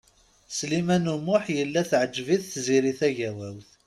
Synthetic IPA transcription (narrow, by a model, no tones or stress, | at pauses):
slimænumʊħjəlːæθʕəd͡ʒviθθziɾiθæʝæwæwθ